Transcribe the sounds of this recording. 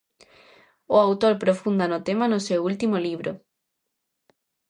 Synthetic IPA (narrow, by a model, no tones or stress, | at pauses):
oawt̪oɾpɾofund̪anot̪emanosewult̪imoliβ̞ɾo